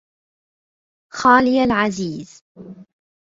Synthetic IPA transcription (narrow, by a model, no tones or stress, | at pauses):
xaːlɪjalʕaziːz